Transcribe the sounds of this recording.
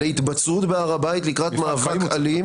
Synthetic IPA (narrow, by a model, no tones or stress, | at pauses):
eit̪bat͡sʁut̪beaʁabait̪likʁatmaːvakali